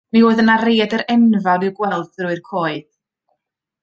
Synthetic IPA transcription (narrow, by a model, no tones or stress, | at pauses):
mioːɨðənareːdəɾɛnvalˠɪwɡwɛlˠθɾʊɨrkʰoːɨð